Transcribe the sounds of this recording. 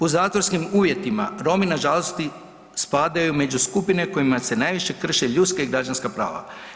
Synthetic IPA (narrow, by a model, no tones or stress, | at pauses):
puzaːt̪ʋo̞ɾskimuːʋje̞t̪ima̰ɾo̞minaʒalost̪i | spaːd̪ajume̞d͡ʑuskupine̞ko̞jimase̞najʋiʃe̞kr̩ʃeʎut̪skaiɡɾad͡ʒanskapɾa̰ːʋa̰